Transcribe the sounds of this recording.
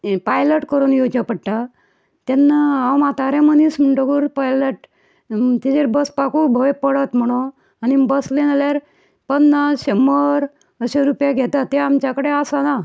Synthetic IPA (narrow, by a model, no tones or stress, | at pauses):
pajləʈkəɾunjot͡ɕapəɽʈa | t̪ɛnːaawmat̪aɾẽmənism̤əɳʈoɡuɾpajləʈ | t̪ed͡ʑeɾbəspakuɾbʱojpəɽət̪m̤əɽ̃o | anibəslenaljaɾ | pənːaɕeməɾ | əɕeɾupjaɡʱet̪at̪eamt͡ɕakəɽeasana